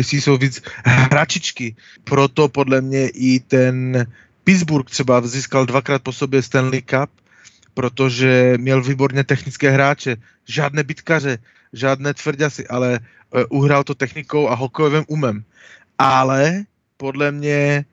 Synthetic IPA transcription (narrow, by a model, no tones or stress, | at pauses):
sisovid͡zɦɾat͡ʃit͡ʃki | pɾɔt̪ɔpɔd̪lɛmɲɛʔit̪ɛn | pid͡zbuɾk̚t̪rɛbaziːskald̪ʋakɾaːt̪̚pɔsɔbjɛst̪ɛnlikap̚ː | ɾɔt̪ɔʒɛmjɛlviːbɔɾɲɛt̪ɛxnit͡skɛːɦɾaːt͡ʃɛ | ʒɪaːd̪nɛːbit̪karɛ | ʒaːd̪nɛːt̪ʋr̩ɟasiʔalɛ | ʔuɦɾalt̪ɔt̪ɛxnikɔʊaɦɔkɔjɔʋɛmumɛm | ʔalɛ | pɔd̪lamɲɛ